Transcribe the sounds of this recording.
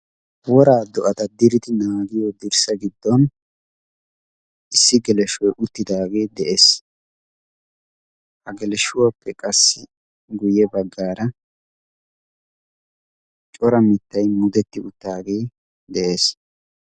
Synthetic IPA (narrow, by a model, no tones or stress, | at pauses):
wɔɾaːd̪ɔʔɐt̪ɐd̪ɪɾɪd̪ɪnaːɡɪjod̪ɪɾsɐɡɪd̪ːɔn | ɪsːɪɡɛlɛʃɔjʔʊt̪ːɪd̪aːɡe̞ːd̪ɛʔeːs | hɐɡɛlɛʃʊwɐpːɛkʼɐsːɪ | ɡʊjɛbɐɡːaːɾɐ | t͡ʃʼɔɾɐmɪt̪ːɐjmʊd̪ɛt̪ːɪʊt̪ːaːɡe̞ː | d̪ɛʔe̞ːs